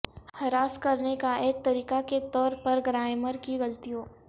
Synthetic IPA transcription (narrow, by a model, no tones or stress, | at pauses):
hɐɾaːskɐɾnekaʔeːk̚t̪ɐɾiːkaket̪ɔːɾpɐɾɡɾaːɪməɾkiɣɐlt̪ijõː